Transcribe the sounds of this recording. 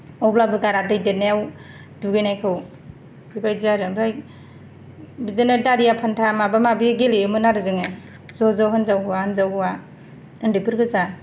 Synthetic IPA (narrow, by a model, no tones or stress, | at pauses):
ɔblabɯɡaɾadɯjdenejaw | duɡɯjnajkʰɯw | bibajziaɾɯbɾaj | bizenɯdaɾijapʰantʰamabamabiɡeliɯmɯnaɾɯzɯŋe | zɔzɔɦɯnzawɦuwaɯnzawhuwa | ɯndipɯɾɡɯza